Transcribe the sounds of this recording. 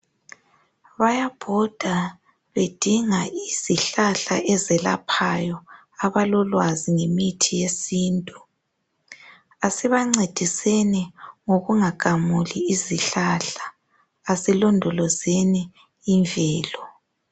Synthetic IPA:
βajab̥ʱɔd̥ʱa | βed̥ʱiŋaiz̥iɬaɬa̰ʔɛzɛla̰pʰajɔ | aβalɔlwaziŋemitʰijesiːntʼu | asiβaŋ͡ǀed̥ʱisɛnɛŋoɣuŋaɡ̥ʱamuliːziɬaɬḁ | asilɔndʱɔlɔzɛniː | ɱvʱɛːlɔ

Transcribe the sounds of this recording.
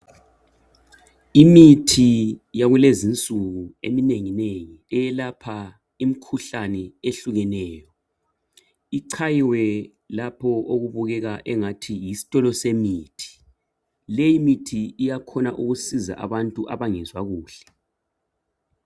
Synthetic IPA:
imitʰijaɣulezint͡sʼuɣuḛmineŋineŋiɛjɛlapʰa | imikʰuɬanɛeɬuɣɛnɛːjɔ | iǀʰajiwɛ | lapʰɔʔoɣuβuɣɛɣaʔɛŋatʰijisi̥tʼɔlɔsemiːtʰi̥ | lɛjimitʰiijakʰɔnaʔuɣusiza̰ʔa̰βantʼuʔa̰βaŋɛzwaɣuːɬɛ̥

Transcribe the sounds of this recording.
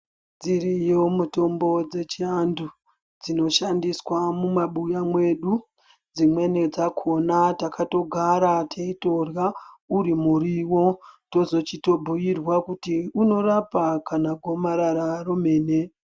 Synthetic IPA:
d͡zirijomuto̞mbo̞d͡ze̞t͡ʃiandu | d͡zino̞ʃandiswamumaɓujamwe̞ɗu | d͡zimwe̞ned͡zakʰo̞natakʰato̞ɡʱaɾatʰeito̞rjauɾimuɾiwo̞to̞zo̞t͡ʃito̞bʱuirwakutiuno̞rapakanaɡʱo̞maɾaɾaro̞me̞ːne

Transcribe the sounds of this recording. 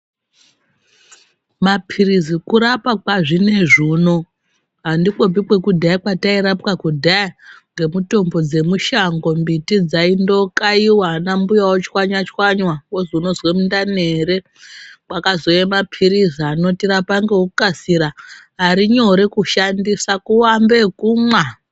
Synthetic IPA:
mapʰiɾizikuɾapakwaʐine̞ʐiːno̞ | ɦandikobikwe̞kudʱaakwataiɾapkakudʱajaŋɡe̞muto̞mbo̞d͡ze̞muʃaŋɡo̞mbitid͡zaindo̞kaiwanambujawot͡ʃwaɲwat͡ʃwaɲwawozouno̞zwemundaneɾe̞ | kwakazo̞jemapʰiɾiziano̞tiɾapaŋɡe̞ukukasiɾaɦaɾiɲo̞ɾekuʃandisakuwambekuːmwa

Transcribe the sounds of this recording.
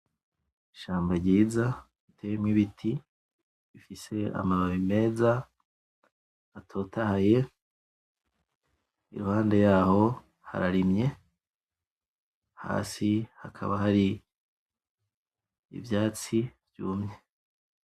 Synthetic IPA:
iʃaːmbaɾɟiːza | itʰejemŋiβitʰi | βifise̞a̰maβaβime̞ːza | atʰo̞ːtahaje̞ | ḭɾuhaːnde̞jaːho̞ | ha̰ɾaɾimɲe̞ | ha̰ːsiha̰kʰa̰βahaɾi | ḭvjaːt͡sivjuːmɲe

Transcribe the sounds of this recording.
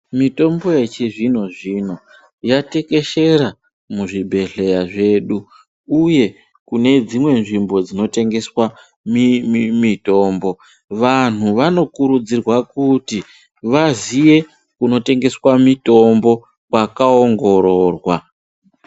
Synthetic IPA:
mito̞mbo̞jet͡ʃiʐino̞ʐino̞ | jate̞ke̞ʃe̞ɾa | muʐibʱe̞ɮe̞jaʐe̞ːɗu | uje̞ | kune̞d͡zimwe̞nʐimbo̞d͡zino̞te̞ŋɡe̞swa | mimito̞ːmbo̞ | ʋan̤uʋano̞kuɾud͡zirwakuti | ʋazije̞ | kuno̞te̞ŋɡe̞swamito̞mbo̞ | kwakaoŋɡo̞ɾoːrwa

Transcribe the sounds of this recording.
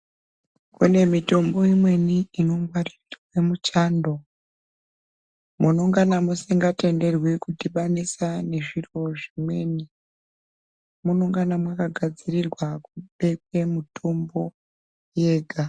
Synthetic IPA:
kune̞mito̞mbo̞imwe̞niːno̞mɡwaritoemut͡ʃaːndo̞ | muno̞ŋɡanamusiŋɡate̞nde̞rwikutiɓanisane̞ʐiro̞ʐimwe̞ːni | muno̞ŋɡanamwakaɡʱad͡zirirwakuɓe̞k̚wemutʰo̞mbo̞ | je̞ːɡʱa

